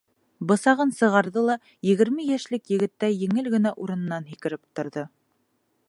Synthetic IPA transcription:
bɤ̆sɑʁɤnsɤ̆ʁɑɾðɤlˠɑ | jɘ̆ɣɘ̆ɾmɘjæʃlɘkjɘ̆ɡɘ̆t̪ːæjɘ̆ŋɘlɡɘ̆næʔuɾɤ̆nɤ̆nːɑnɦikɘ̆ɾɘp̚t̪ŏɾðɤ

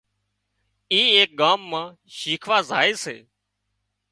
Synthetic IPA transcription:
iːeːk̚ɠaːmːãː | ʃiːkʰʋaːzʱa̰ːeːsḛː

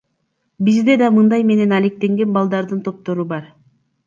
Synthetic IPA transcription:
bizd̪e̞d̪ɑmɯnd̪ɑjme̞ne̞nɑle̞k̚t̪e̞ŋɡe̞nbɑlˠd̪ɑɾd̪ɯnt̪ʰo̞p̚t̪o̞ɾubɑɾ

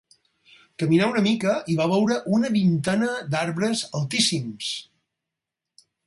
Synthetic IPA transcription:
kəminaunəmikəiβaβɛwɾəʔunəβint̪ɛnəd̪aɾβɾəzəlˠt̪isims

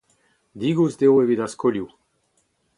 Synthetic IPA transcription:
d̪iɡuzd̪ewevid̪askɔlju

